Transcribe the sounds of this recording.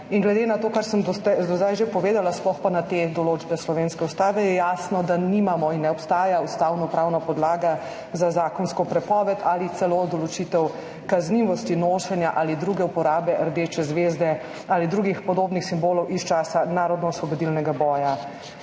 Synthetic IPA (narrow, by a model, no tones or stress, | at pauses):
iŋɡlɛd̪enat̪oːkaɾsəmd̪ɔt̪ɛd̪ɔd̪ajʒepɔʋeːd̪alasplɔxpanat̪ed̪ɔloːt͡ʃbɛslɔʋeːnskɛust̪aːʋɛjɛjaːsnɔd̪animamɔinːɛɔpst̪aːjaust̪awnɔpɾawnapɔd̪laːɡa | zazaːkɔnskɔpɾɛpɔːʋɛt̪ʰalit̪sɛlod̪ɔlɔt͡ʃit̪ɛw | kazniʋɔst̪inoːʃɛnjaʔaːlid̪ɾuːɡɛupɔɾaːbɛʔəɾd̪eːt͡ʃɛzʋeːzd̪ɛ | aːlid̪ɾuːɡixpɔd̪oːbnixsimboːlɔwʔist͡ʃaːsanaːɾɔd̪nɔusʋɔbɔd̪ilnɛɡabɔːja